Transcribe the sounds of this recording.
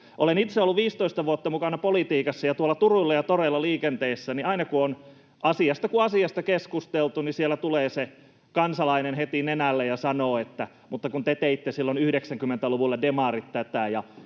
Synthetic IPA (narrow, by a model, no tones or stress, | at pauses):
ʔo̰lenit̪seolːuʋʋiːst̪oist̪ɑʋuot̪ːɑmukɑnɑpolit̪iːkɑsːɑjɑt̪uolːˑɑt̪uruilːɑjɑt̪orelːɑliːkent̪eːsːɑniɑinɑkuon | ʔɑsiɑst̪ɑkuɑsiɑst̪ɑkeskust̪elt̪unisielːˑæt̪uleːse | kɑnsɑlɑinenhet̪inenælːejɑsɑnoːet̪ːæ | mut̪ːɑkunt̪et̪eit̪ːesilːonyhdeksæŋkymːent̪æluʋulːɑdemɑˑrit̪t̪ːæt̪æjɑ